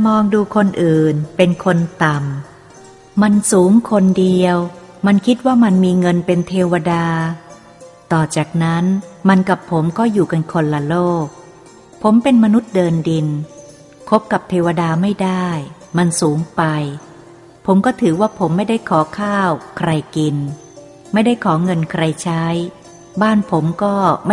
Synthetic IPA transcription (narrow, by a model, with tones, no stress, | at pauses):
mɔː˧ŋduː˧kʰo˧nʔɯː˨˩npe˧nkʰo˧nt̪a˨˩m | ma˧nsuː˩˦ŋkʰo˧ndi˧əw | ma˧nkʰi˦˥t̪̚waː˥˩ma˧nmiː˧ŋɤ˧npe˧nt̪ʰeː˧wa˧daː˧ | t̪ɔː˨˩t͡ɕaː˨˩k̚na˦˥nma˧nka˨˩pʰːo˩˦mkɔː˥˩juː˨˩ka˧nkʰo˧nla˧loː˥˩k̚ | pʰo˩˦mpe˧nma˧nu˦˥t̪̚dɤː˧ndi˧n | kʰo˦˥p̚ka˨˩p̚t̪ʰeː˧wa˧daː˧ma˥˩jdaː˥˩j | ma˧nsuː˩˦ŋpa˧j | pʰo˩˦mkɔː˥˩t̪ʰɯː˩˦waː˥˩pʰo˩˦mːa˥˩jda˥˩jkʰɔː˩˦kʰaː˥˩wkʰɾa˧jki˧n | ma˥˩jda˥˩jkʰɔː˩˦ŋɤ˧nkʰɾa˧jt͡ɕʰa˦˥j | baː˥˩npʰo˩˦mkɔː˥˩ma˥˩